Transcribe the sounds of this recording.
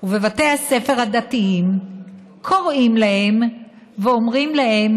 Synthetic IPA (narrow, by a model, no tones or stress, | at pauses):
uvevat̪ease̞fe̞ʁhad̪at̪iim | kʰo̞ʁimlahe̞m | veomʁimlahe̞m